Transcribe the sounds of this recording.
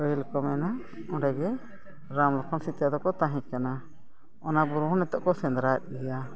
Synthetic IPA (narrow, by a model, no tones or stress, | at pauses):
əilkɔmɛna | ɔɖɛɡɛ | ɾamlɔkʰɔnsit̪jad̪ɔkɔt̪ãɦĩkana | ɔnabuɾuɦɔnɛt̪ɔʔkɔsɛnd̪ɾat̪̚ˀɡɛja